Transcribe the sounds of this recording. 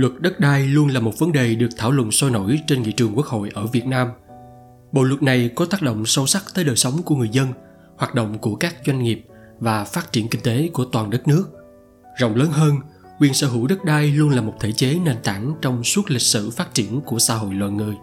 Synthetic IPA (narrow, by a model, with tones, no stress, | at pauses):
lwə˨˩t̚ɗə˦˥t̚ɗaː˧jlu˧ənlaː˨˩mo˨˩t̚və˨˦nɗe˨˩ɗɨ˨˩ək̚t̪ʰaː˧˩wlwə̰˧˨nswɔ˧jno̰˧˥jt͡ɕe˧nŋḭ˧˨t͡ɕɨ˨˩əŋku˦˥ək̚ho̰˧˨jʔəː˧˩vi˨˩ət̚naː˧m | ɓo̰˧˨wlwə˨˩t̚na˨˩jkɔ˨˦t̪aː˦˥k̚ɗo̰˧˨ŋ͡msə˧wsa˦˥k̚t̪əː˨˦jɗəː˨˩jsə˨˦wŋ͡mku˧˩əŋɨ˨˩əjzə˧n | hwaː˨˩t̚ɗo̰˧˨wŋ͡mku˧˩əkaː˦˥k̚zwa˧jŋ̟ŋi˨˩əp̚vaː˨˩faː˦˥t̚t͡ɕi˧˩ənki˧ŋ̟t̪e˨˦ku˧˩ət̪waː˨˩nɗə˦˥t̚nɨ˦˥ək̚ | zɔ̰˧˨wŋ͡mləː˨˦nɦəː˧n | kwi˨˩ənsəː˧˩ɦɨ˧˩wɗə˦˥t̚ɗaː˧jlu˧ənlaː˨˩mo˨˩t̚t̪ʰe˧˩t͡ɕe˨˦ne˧˩nt̪a̰ː˧˩ŋt͡ɕɔ˧wŋ͡mswu˦˥t̚lï˨˩k̟̚sɨ̰˧˩faː˦˥t̚t͡ɕi˧˩ənku˧˩əsa̰ː˧ɦo̰˧˨jlwa̰˧˨nŋɨ˨˩əj